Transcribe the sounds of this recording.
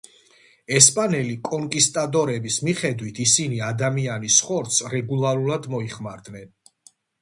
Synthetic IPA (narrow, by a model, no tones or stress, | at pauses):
ɛspʼanɛlikʼɔŋkʼist̪ʼad̪ɔɾɛbismiχɛd̪wit̪ʰisiniad̪amianisχɔɾt̪sɾɛɡulˠaɾulˠad̪mɔiχmaɾd̪nɛn